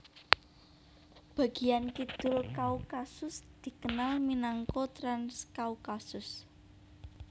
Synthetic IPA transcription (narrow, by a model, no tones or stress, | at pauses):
b̥ä̤ɡ̥ijankid̪̥ʊ̤lkaukasʊsd̪̥i̤kənalminaŋkɔt̪ɾanskaukasʊs